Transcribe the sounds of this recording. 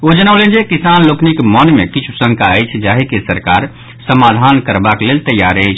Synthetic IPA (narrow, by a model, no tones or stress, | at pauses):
od͡ʒənəʊlend͡ʒekisanloknikmənmekit͡ʃʰu̥sə̃ŋkaəjt͡ʃʰd͡ʒaɦekesəɾkaɾ | səmad̪ʱankəɾbakelelt̪əjːaɾəjt͡ʃʰ